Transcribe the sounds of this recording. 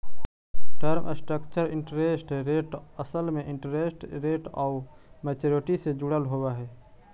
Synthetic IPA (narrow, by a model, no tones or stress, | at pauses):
ʈəɾməsʈɾəkt͡ʃəɾɪ̃ɳʈəɾesʈɾeːʈəsəlmẽʔɪ̃ɳʈəɾeːsʈɾeːʈɔːʊ | meːt͡ʃoːɾɪʈised͡ʒʊɽəlɦowaɦɛː